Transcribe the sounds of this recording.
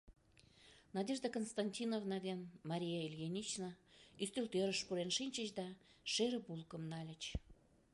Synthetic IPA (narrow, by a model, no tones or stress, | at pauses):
nɑdʲeʒd̪əkonst̪ɑnʲtʲinovnɑβʲenmɑɾʲijɑelʲjenʲit͡ɕnəyst̪ølt̪øɾəʃpuɾenʃinʲt͡ɕə̆ɕd̪ɑʃeɾə̆bulˠkə̆mnɑlʲə̆t͡ɕ